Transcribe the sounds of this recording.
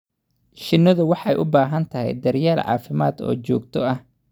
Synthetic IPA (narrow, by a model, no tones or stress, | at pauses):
ʃɪnːɔðʊwɑħɑjʔʊbaːɦɐnt̪ʰɐɦɛ̰jd̪ɐrjaːlʕɑ̰ːfɪmaːd̪ɔ̰ːt͡ʃɔːɡt̪ʰɔɐh